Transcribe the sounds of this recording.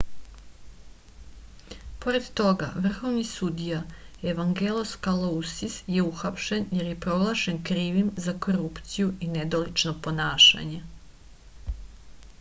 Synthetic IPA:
po̞ɾe̞d̪t̪o̞ɡa̰ʋr̩xo̞ʋnisud̪ijaeʋaŋɡeloskalousisje̞uxapʃenjeɾje̞pɾo̞ɡlˠaʃe̞nkɾiːʋimzako̞ɾupt̪sijuined̪olit͡ʃnopo̞naːʃa̰ɲe̞

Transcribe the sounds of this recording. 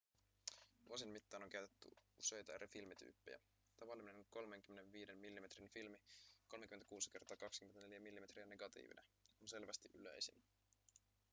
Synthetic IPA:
ʋuos̬inmit̪ːɑːno̞ŋkæɥt̪et̪ːy̰use̞jt̪ɑæɾefilmit̪y̰ːpːejæ̰ | t̪ɑʋɑlːimne̞noko̞lme̞ŋk̟ymːenenʋiːdemːilːime̞t̪rinfilmiko̞lmekymenækuːsi̥ke̞rt̪ɑːkɑkskymenæne̞ljæmilːime̞t̪riæne̞ɡ̥ɑt̪ḭːʋḭnæonse̞lʋæst̪iʔylø̰jsḭn

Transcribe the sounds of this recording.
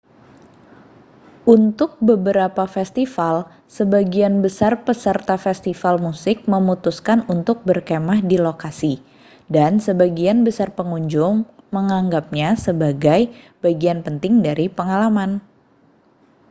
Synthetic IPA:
ʔunt̪ʊk̚bəbəɾapafɛst̪ifal | səbaɡianbəsarpəsərt̪afɛst̪ifalmusɪk̚məmut̪uskanunt̪ʊk̚bərkemahdilokasi | dansəbaɡianbəsarpəŋuɲd͡ʒʊŋməŋaŋɡap̚ɲasəbaɡaj | b̥aɡianpənt̪ɪŋdaɾipəŋalaman

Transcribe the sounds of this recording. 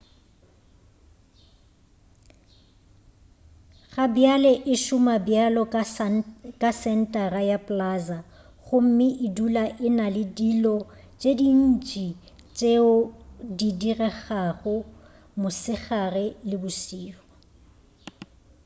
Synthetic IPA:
ɣabjalɛʔɪʃʊmabjalɔ | kʼasɛn̩tʼarajapʼlaza | ɣʊm̩mɪʔɪdulaʔɪnalɪdilɔ | t͡ʃʼedin̩t͡ʃʼi | t͡ʃʼeʊdidirɛχaχʊ | mʊsɪχarɛlɪbʊsiːrɔ

